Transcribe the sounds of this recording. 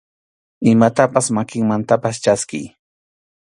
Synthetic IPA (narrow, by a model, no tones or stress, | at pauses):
ɪmat̪apasmakɪŋmant̪apast͡ʃaskɪj